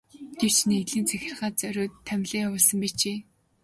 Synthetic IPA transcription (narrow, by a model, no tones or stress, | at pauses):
ɡ̥ew̥t͡ɕneɣɮiːnt͡sæxʲɪ̆rʁaːt͡sœɾʲoːt̪ʰːæmʲɮiːŋawʊːɮsə̆mpit͡ɕʰeː